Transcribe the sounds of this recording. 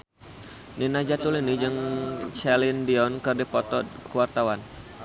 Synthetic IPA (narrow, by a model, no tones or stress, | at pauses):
ninad͡ʒat̪ulinid͡ʒɨŋt͡ʃɛlindiɔnkɨrdipɔt̪ɔkuwart̪awan